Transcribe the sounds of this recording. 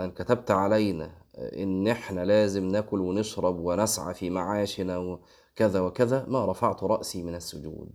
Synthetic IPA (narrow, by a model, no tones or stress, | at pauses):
ʔænkæt̪æb̚t̪ʕalæjnæ̰ | ʔɪ̰nːʔɪħnælæːzɪmnækʊlwɪnɪʃɾˤɑbwɪnæsʕa̰fimaʕaːʃnæw | kæðæwɪkæðæmæɾˤɑfaʕt̪ɾˤɑʔsiːmɪnæsːʊd͡ʒṵːd̪